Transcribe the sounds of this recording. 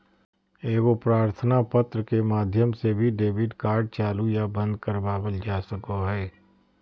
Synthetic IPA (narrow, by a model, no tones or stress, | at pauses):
eːɡopɾaːɾt̪ʰənapət̪ɾəkemaːd̪ʱjəmsebʱiɖeːʋɪɖkaːɾɖ̚t͡ʃaːlujabə̃nd̪̚kəɾbaːwəld͡ʒaːsəkoɦɛː